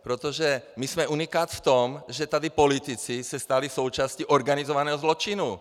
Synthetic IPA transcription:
pɾot̪oʒɛmismɛʔunikaːt̪ft̪omʒɛt̪ad̪ipolit̪it͡sisɛst̪alisowt͡ʃaːsciʔoɾɡanizɔvanɛːɦɔzlot͡ʃinu

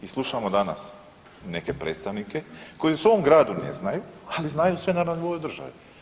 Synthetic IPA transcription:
islˠuʃamod̪ana̰s | ne̞ke̞pɾet̪st̪aʋnike̞ko̞jiuso̞omɡɾaːd̪une̞̰znajualiznajusʋe̞naːɾd̪ood̪r̩ʒa̰ʋḭ

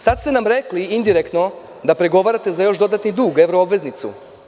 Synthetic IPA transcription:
sad̪st̪e̞namɾekliind̪iɾekt̪no̞ | d̪apɾeɡo̞ʋaɾat̪e̞zajo̞ʃd̪o̞d̪at̪nid̪uːɡe̞ʋɾoobʋe̞znit̪sṵ

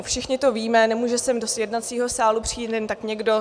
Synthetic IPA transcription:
fʃɪxɲɪt̪o̞viːmɛnɛmuːʒɛsɛmdosjɛdnat̪t͡siːɦo̞saːlupr̥iːnɛnt̪akɲɛɡdo

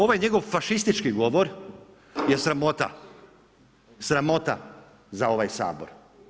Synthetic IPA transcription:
o̞ʋajɲe̞ɡo̞ʋfaʃist̪it͡ʃkiɡo̞ʋoɾ | jesɾamot̪a̰ | sɾamo̞t̪a | zao̞ʋajsa̰ːbo̰ɾ

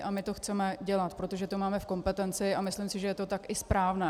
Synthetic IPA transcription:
ʔamɪt̪o̞xt͡sɛmɛɟɛlat̪pɾo̞t̪o̞ʒɛt̪o̞maːmɛfko̞mpɛt̪ɛnt͡sɪʔamɪslɪmsɪʒɛjɛt̪o̞t̪akʔɪspɾaːvnɛː

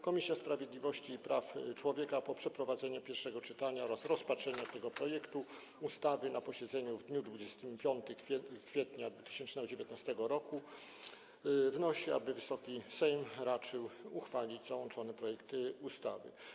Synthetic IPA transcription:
kɔmʲisʲjaspɾavʲjed̪lʲivɔɕt͡ɕiːpɾaft͡ʂwɔvʲjɛkapɔpʂɛpɾɔvad̪zɛɲɛpʲjɛɾfʂɛɡɔt͡ʂɘt̪aɲaɔɾasɾɔspatʂɛɲat̪ɛɡɔpɾɔjɛkt̪u | ust̪avɘnapɔɕɛd̪zɛɲuvd̪ɲud̪vud͡ʑɛst̪ɘmpʲjɔnt̪ɘkʲkfʲjɛt̪ɲad̪vut̪ɘ̥ɕɛnt͡ʂnɛɡɔd͡ʑevʲjɛt̪nast̪ɛɡɔɾɔku | vnɔɕia̰bɘvɘsɔkʲisɛjmɾat͡ʂɘwuxfalʲid͡ʑzawɔnt͡ʂɔnɛpɾɔjɛkt̪ust̪a̰vɘ̰

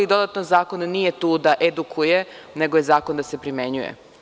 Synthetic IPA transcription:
id̪o̞d̪at̪nozaːkonniːje̞t̪uːd̪aʔed̪ukʰujeneɡojezaːko̞nd̪asepɾime̞ɲujḛ

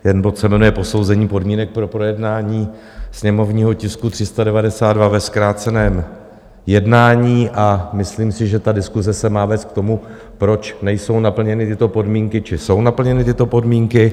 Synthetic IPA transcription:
jɛdnbot̪sɛmɛnujɛpo̞so̞wzɛɲiːpo̞dmiːnɛk̚pɾo̞pɾo̞jɛdnaːɲiː | sɲɛmo̞vɲiːɦo̞cɪskut̪r̝̥ɪst̪adɛvadɛsaːd̪dvavɛskɾaːt͡sɛnɛːm | jɛdnaːɲiːʔamɪsliːmsɪʒɛt̪adɪskuzɛsɛmaːvɛːst̪̚k̚t̪o̞mu | pɾo̞t͡ʃnɛjso̞wnapl̩ɲɛnɪt̪ɪt̪o̞po̞dmiːŋkɪt͡ʃɪso̞wnapl̩ɲɛnɪt̪ɪt̪o̞po̞dmiːŋkɪ

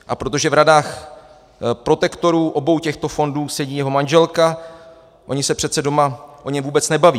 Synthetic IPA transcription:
ʔapɾo̞t̪̬o̞ʒɛvɾadaːx | pɾo̞t̪ɛkt̪o̞ɾuːʔo̞bo̞wcɛxt̪o̞fo̞nduːsɛɟiːjɛɦo̞manʒɛlka | ʔo̞ɲɪsɛpr̝ɛt̪t͡sɛdo̞maʔo̞ɲɛmvuːbɛt͡snɛbaviː

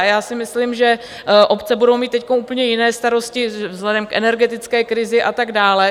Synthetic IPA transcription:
jaːsɪmɪslimʒɛ | ʔo̞pt͡sɛbudo̞wmiːt̪ːɛckomuːpəɲɛjɪnɛːst̪aɾo̞scɪvzlɛdɛmkʔɛ̰nɛɾɡɛt̪ɪt͡skɛːkɾɪzɪʔat̪aɡdaːlɛ

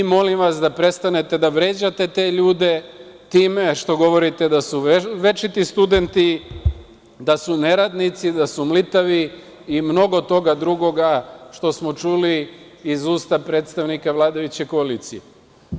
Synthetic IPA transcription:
imo̞limʋasd̪apɾe̞st̪ane̞t̪e̞d̪aʋɾe̞ːd͡ʑat̪e̞t̪e̞ːʎuːd̪e̞ | t̪iːme̞ʃt̪o̞ɡo̞ʋo̞ɾit̪e̞d̪asuʋe̞t͡ʃit̪ist̪ud̪e̞nt̪i | d̪asune̞ɾad̪nit̪sid̪asumlit̪aʋi | imno̞ɡo̞t̪o̞ɡad̪ɾuɡo̞ɡaʃt̪o̞smo̞t͡ʃuliː | zuːst̪apɾet̪st̪aʋnikaʋlˠaːd̪ajut͡ɕekoaliːt̪sie

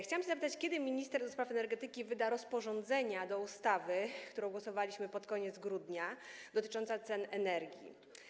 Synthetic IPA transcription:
xt͡ɕawamɕɛzapɘt̪at͡ɕkʲjɛd̪ɘmʲiɲist̪ɛɾd̪ɔspɾafɛnɛɾɡɛt̪ɘkʲivɘd̪aɾɔspɔʐɔnd̪zɛɲad̪ɔust̪avɘkt̪uɾɔ̃w̃ɡwɔsɔvalʲiɕmɘpɔt̪kɔɲɛd̪zɡɾud̪ɲad̪ɔt̪ɘ̥t͡ʂɔnt̪sat̪sɛnɛnɛɾɡʲḭ

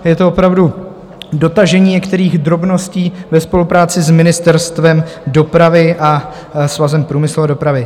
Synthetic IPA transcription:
jɛt̪oopɾavdu | do̞t̪aʒɛɲiːɲɛkt̪ɛɾiːɣd̪ɾo̞bno̞sciːvɛspo̞lupɾaːt͡sɪzmɪnɪst̪ɛɾst̪vɛmdo̞pɾavɪʔa | svazɛmpɾuːmɪsluado̞pɾavɪ

